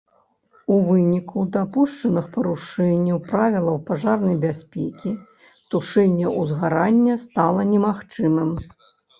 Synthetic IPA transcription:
uvɨnʲikud̪apuʂt͡ʂɐnɨxpɐɾuʂɛnʲːɐwpɾavʲilˠɐwpaʐarnɐjbʲasʲpʲɛkʲi | t̪uʂɛnʲːɛʔuzɣaɾanʲːɐst̪alˠɐnʲɛmaxt͡ʂɨmɨm

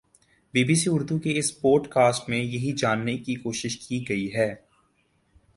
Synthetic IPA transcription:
biːbiːsiʊɾd̪ukeɪspoːʈkaːsʈmẽjɐɦid͡ʒaːnːekikoːʃɪʃkiɡɐiɦɛː

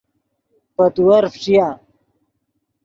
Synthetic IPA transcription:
pɐt̪uwɐɾft͡ɕija

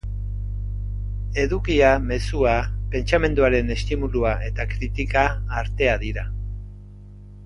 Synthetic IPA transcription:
e̞ðukiame̞suape̞nt͡ʃame̞nd̪uaɾe̞ne̞st̪imuluaʔe̞t̪akɾit̪ikaːɾt̪e̞aðiɾa

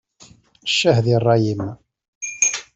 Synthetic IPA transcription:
ʃːəhðirˤːɑjim

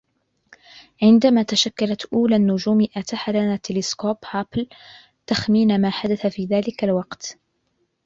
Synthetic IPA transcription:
ʕɪnd̪amaːt̪aʃakːalat̪ʔuːlaːnːʊʒuːmɪʔat̪aħalanaːt̪ːɪlɪskoːphapl | t̪axmiːnamaːħad̪aθafiːðaːlɪkalwɑqt̪

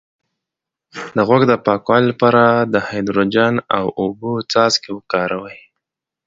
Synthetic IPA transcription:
d̪əɣwoɡd̪əpɑkwɑllapɑɾad̪əhajd̪ɾod͡ʒana̰wobot͡sɑzkewəkɑɾawəj

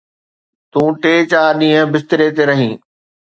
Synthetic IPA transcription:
t̪ũːʈeːt͡ɕaːɗĩːɦə̃bɪst̪ɪɾet̪eɾɐɦĩː

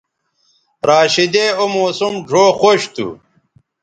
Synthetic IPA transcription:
ɾaːɕid̪eomoːsumʐʱoːxoɕt̪ṵ

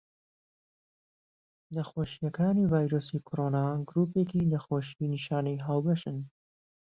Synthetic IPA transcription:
nɐxoːʃijɐkaːnivaːjɾoːsiːkʰoɾoːnaːɡɾuːpeːkiːnɐxoːʃiiniʃaːnijɦaːwbɐʃɨn

